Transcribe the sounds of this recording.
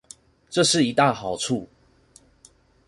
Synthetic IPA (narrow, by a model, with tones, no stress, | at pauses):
ʈ͡ʂɤ˥˧ʂɻ̩˥˨i˧˥t̪a˥˩xɑ˨˩ʊʈ͡ʂʰu˥˨